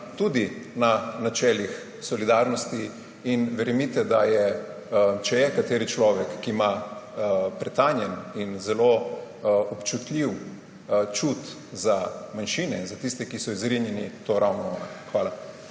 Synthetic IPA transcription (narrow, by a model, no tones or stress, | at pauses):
t̪ud̪inanat͡ʃɛːlix | sɔlid̪aːɾnɔst̪i | inʋɛɾɛmit̪ɛd̪ajɛ | t͡ʃɛjɛkat̪eːɾit͡ʃlɔːʋɛkːiːma | pɾɛt̪anjɛninzɛlo | ɔpt͡ʃut̪lʲiw | t͡ʃut̪ | zamanʃinɛinzat̪ist̪ɛkisɔizɾinjɛnit̪oɾʔawnɔna̰xʋaːla